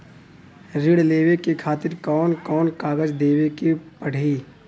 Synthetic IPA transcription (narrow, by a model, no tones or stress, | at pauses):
ɾɪɽleːʋekekʰaːt̪ɪɾkɔːnkɔːnkaːɡəd͡ʒd̪eːwekipɐɽ̤iː